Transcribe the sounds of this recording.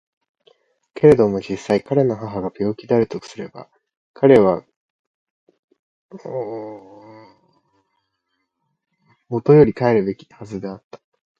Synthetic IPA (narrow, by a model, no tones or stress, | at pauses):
ke̞ɾe̞d̪o̞mo̞d͡ʑisːaikaɾe̞no̞ɦaɦaɡabʲo̞ːkʲid̪eaɾɯt̪o̞kɯ̥sɨɾe̞ba̰ | kʰaɾe̞β̞a | o | mo̞t̪o̞jo̞ɾʲikae̞ɾɯ̟be̞kʲi̥hazɨd̪e̞at̪ːḁ